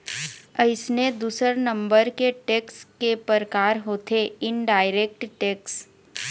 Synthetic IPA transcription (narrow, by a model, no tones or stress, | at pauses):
ɐɪsned̪uːsəɾnɐ̃mbəɾkeʈeːkskepəɾkaːɾɦoːt̪ʰeɪnɖaːɪɾeːk̚ʈʈeːks